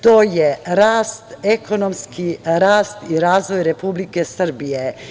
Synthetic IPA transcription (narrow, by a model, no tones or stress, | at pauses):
t̪oːjeɾaːst̪ekonomskʰiɾaːst̪iɾaːzʋojɾepublikesr̩bije